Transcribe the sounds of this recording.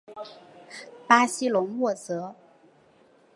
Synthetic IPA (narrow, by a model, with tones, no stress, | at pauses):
pa˥ɕi˥lʊ˧˥ŋwɔ˥˩t͡sɤ˧˥